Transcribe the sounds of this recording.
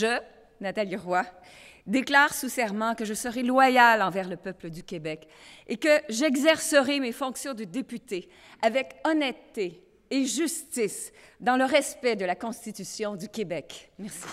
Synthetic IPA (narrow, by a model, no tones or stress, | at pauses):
ʒə | nat̪aliʁwa | d̪eklaːʁsusɛʁmɑ̃kəʒəsəʁɛlwajalɑ̃vɛʁləpœpləd̪ykʲebɛk | ekəʒɛɡzɛʁsəʁɛmefɔ̃ksjɔ̃d̪əd̪epyt̪e | avɛkɔnɛt̪ːeː | ʒyst̪isd̪ɑ̃ləʁɛspɛd̪əlakɔ̃st̪it̪ysjɔ̃d̪ykʲebɛkmɛʁsi̥